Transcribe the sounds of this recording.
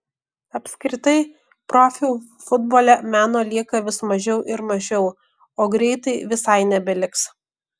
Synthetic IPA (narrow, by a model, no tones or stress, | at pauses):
ɐpʲsʲkɾʲɪt̪ɐɪ | pɾɔfʲɪ | fʊd̪boːlʲɛmʲæːnoːlʲiɛkɐʋʲɪsmɐʒʲɛʊʔɪɾmɐʒʲɛʊ | oːɡɾʲɛɪt̪ɐɪʋʲɪsɐɪnʲɛbʲɛlʲɪks